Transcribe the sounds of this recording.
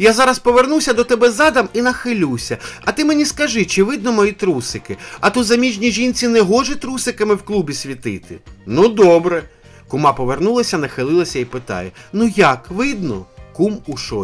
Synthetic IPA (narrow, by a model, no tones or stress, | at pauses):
jazɑɾɐspɔʋernuwsʲɐd̪ɔt̪ɛbɛzɑd̪ɐminɐxɪlʲuwsʲɐɐt̪ɪmenʲiskɐʒɪt͡ʃɪʋɪd̪nɔmɔjit̪ɾusɪkɪɐt̪uzɐmʲiʒʲnʲiʒʲinʲt͡sʲinɛɦɔʒɛt̪ɾusɪkɐmɪwklˠubʲisʲʋʲit̪ɪt̪ɪnud̪ɔbɾɛ | kʊmɑpɔʋernulˠɐsʲɐnɐxɪlˠɪlˠɐsʲɐipɪt̪ɑ̰jɛnujakʋɪd̪nɔ̰kumuʃɔ